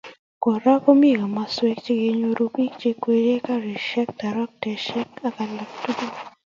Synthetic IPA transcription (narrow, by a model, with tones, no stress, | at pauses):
ko˨ɾa˦ko˦mi˦˨ɡo˨ma˨swɛ˦k̚t͡ʃe˦ɡe˨ɲo˨ɾo˦pi˦kt͡ʃe˦kwe˨ɾe˦ka˦ɾe˨ʃɛ˦k̚ta˨ɾɔ˦k̚tɛ˨ʃɛ˦ka˦ka˨la˨k̚tu˦ɡu˦